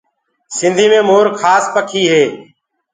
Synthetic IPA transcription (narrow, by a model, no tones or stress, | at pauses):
sɪnd̪ʱiːmẽːmoːɾkʰaːspəkʰiːɦeː